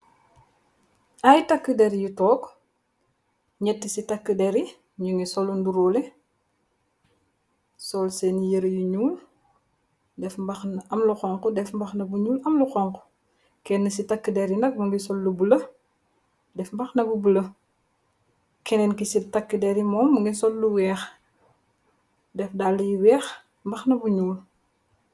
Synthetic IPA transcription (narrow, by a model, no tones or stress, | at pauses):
ajtakːədɛɾijutɔːk | ɲɛtːisitɐkːədɛɾi | ɲuŋisɔlːunduɾɔːlɛ | sɔlsɛnijəɾɐjuɲuːl | dɛfmbɐxnɐmluxɔŋkɔdɛfmbɐxnɐbuɲuːlɐmluxɔŋkɔ | kɛnːɐsitɐkːədɛɾinɐk̚muŋɡisɔlːubulɐ | dɛfmbɐxnɐbubulɐ | kɛnɛnkisitɐkːədɛɾimɔːmːuŋɡisɔlːuwɛːx | dɛfdalujiwɛːx | mbɐxnɐbuɲuːl